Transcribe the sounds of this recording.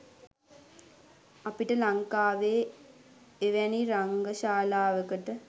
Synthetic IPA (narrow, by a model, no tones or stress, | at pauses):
apiʈəlaŋkaːʋeː | eʋæniɾaŋɡəʃaːlaːʋəkəʈə